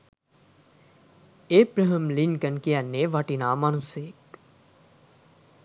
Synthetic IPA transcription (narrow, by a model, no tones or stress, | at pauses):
eːpɾəɦəmlinkənkijanːeːʋaʈinaːmanuseːk